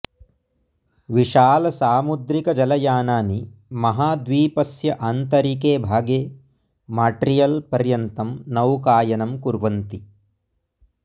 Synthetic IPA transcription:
ʋiʃaːlɐsaːmud̪ɾikɐd͡ʒɐlɐjaːnaːnimɐɦaːd̪ʋiːpɐsjɐʔaːnt̪ɐɾikeːbʱaːɡeː | maːʈɾijɐlpɐɾjɐnt̪ɐmnɐwkaːjɐnɐmkuɾʋɐnt̪i

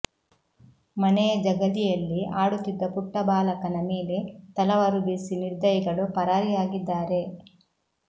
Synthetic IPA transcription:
mɐnɛjɐd͡ʒɐɡɐlijɐlːiʔaːɽut̪ːid̪ːɐpuʈːɐbaːlɐkɐnɐmeːle̞t̪ɐlɐʋɐɾubisiniɾd̪ɐjiɡɐɭupɐɾaːɾijaːɡid̪ːaːɾe̞

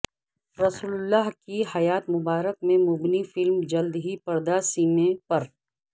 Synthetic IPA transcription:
ɾɐsuːlʊlːaːɦkiɦɐjaːt̪mʊbaːɾəkmẽmʊbnifɪlmd͡ʒɐld̪ɦipɐɾd̪asiːmẽpɐɾ

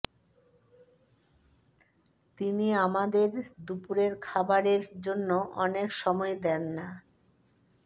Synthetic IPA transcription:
t̪iniamad̪eɾd̪upuɾeɾkʰabaɾeɾd͡ʑonːoʔɔnekʃɔmɔed̪ɛnːa

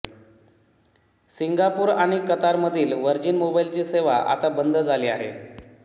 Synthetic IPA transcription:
siŋɡapuːɾaɽ̃ikət̪aɾməd̪ʱiːlʋəɾd͡ʑiːnmobajilt͡ɕiːseʋa̰ʔa̰t̪abənd̪ʱəd͡zʱaliːa̰ɦḛ

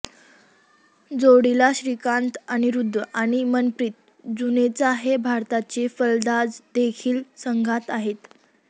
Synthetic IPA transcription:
d͡zoɽilaɕɾikant̪aɽ̃iɾud̪ʱʋəʔaɽ̃imənpɾit̪̚ | d͡zunet͡saɦebʱaɾt̪at͡ɕefəld̪ad͡zd̪ekʰiːlsəŋɡʱat̪aɦet̪

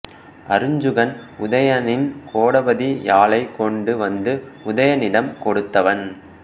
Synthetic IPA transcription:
ʔɐɾɯɲd͡ʒɯɣɐnʊðɐjɐnɪnkʰoːɽɐbɐðijaːlɐɪkːɔɳɖɯʋɐnd̪ɯʊðɐjɐnɪɽɐmkɔɽɯt̪ːɐʋɐn

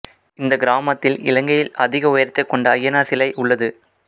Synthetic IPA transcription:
ɪnd̪ɐɡɪɾaːmɐt̪ːɪlɪ̰lɐŋɡɐjɪlɐðɪɣɐʊjɐɾt̪ːɐɪkːɔɳɖɐːjɐnaːsɪlɐɪʔʊɭːɐðɯ

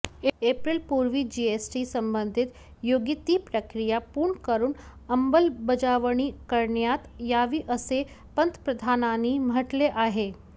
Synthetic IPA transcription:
epɾilpuɾʋiːd͡ʑiesʈisəmbənd̪ʱit̪ | joɡit̪iːpɾəkɾijapuːɾɳkəɾuːnəmbəlbəd͡ʒaʋəɳ̃ikəɾɳjat̪jaʋiːʔəse | pənt̪əpɾəd̪ʱananimɦəʈleʔaɦe

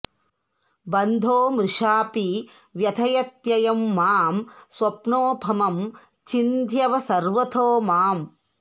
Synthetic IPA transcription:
bɐnd̪ʱoːmɾɪʂaːpi | ʋjɐt̪ʰɐjɐt̪jɐjɐmːaːmswɐpnoːbʱɐmɐm | t͡ʃind̪ʱjɐʋɐsɐɾʋɐt̪ʰoːmaːm

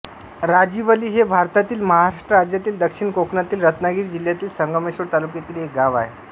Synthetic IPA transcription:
ɾad͡ʑiʋəliːɦebʱaɾt̪at̪iːlməɦaɾaʂʈɾəɾad͡ʑjat̪iːld̪əkʂiɳkoknat̪iːlɾət̪naɡiːɾd͡ʑiljat̪iːlsəŋɡəmeɕoɾt̪alukjet̪iːlek̚ɡaʋaɦe

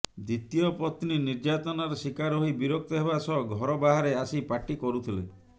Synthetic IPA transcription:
d̪it̪ijɔpɔt̪niniɾd͡ʒat̪ɔnaɾɔsikaɾɦoibiɾɔk̚t̪ɔɦeβasɔɡʱɔɾɔbaɦaɾeasipaʈikɔɾut̪ʰilḛ

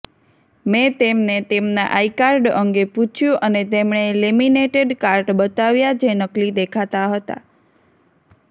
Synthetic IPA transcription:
met̪emnet̪emna̰ʔaikaɾɖəŋɡeput͡ʃʰjũʔənet̪emɳ̃elimineʈeɖkaɾʈbət̪aʋjad͡ʒenəklid̪ekʰat̪aɦət̪a̰

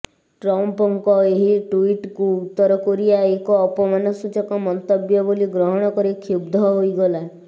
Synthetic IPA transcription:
ʈɾɔmpɔŋkɔeɦiʈuiʈkuːt̪ːɔɾɔkɔɾijaekɔːpɔmanɔsut͡ʃɔkɔmɔnt̪ɔbjɔboliɡɾɔɦɔɽ̃ɔkɔɾekʰjubd̪ʱɔɦojɡɔla

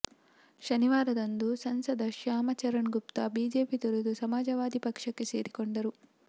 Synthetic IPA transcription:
ʃɐniʋaːɾɐd̪ond̪usɐnsɐd̪ʱɐʃjaːmɐt͡ʃɐɾɐɳɡup̚t̪ɐbiːd͡ʒeːpit̪oɾud̪usɐmaːd͡ʒɐʋaːd̪ʱipɐkʂɐkːe̞se̞ːɾikoɳɖɐɾu

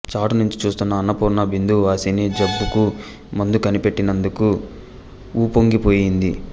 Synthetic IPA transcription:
t͡ʃaːʈunuɲt͡ʃi̥t͡ʃuːst̪unːɐːnːɐpuːɾnɐbind̪uʋaːsined͡ʒɐbːuku | mɐnd̪ukɐnipe̞ʈːinɐnd̪uku | uːpoŋɡipo̞ːjind̪i

